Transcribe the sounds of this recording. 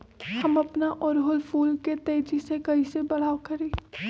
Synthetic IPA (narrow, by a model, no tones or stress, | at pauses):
hɐmɐpnaʔɔːɾɦʊlfuːlket̪eːd͡ʒisekɐɦisebɐl̤aːwkɐɾeː